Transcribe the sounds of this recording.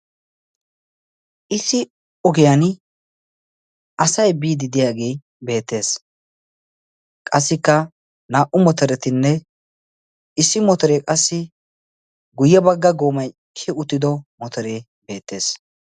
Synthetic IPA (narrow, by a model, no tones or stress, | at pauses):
ʔɪsɪ | ɔɡɪjan | ʔɐsɐjbiːd̪ɪd̪ɪjaːɡeː | be̞ːt̪ːe̞ːs | kʼɐsːɪkːɐ | naːʔʊmɔt̪ɔɾɛt̪ɪnːɛ | ɪsːɪmɔt̪ɔɾekʼɐsːɪ | ɡʊjːɛbɐɡːɐɡoːmɐj | kʰːɪʊt̪ːɪd̪ɔmɔt̪ɔɾeː | be̞ːt̪ːe̞ːs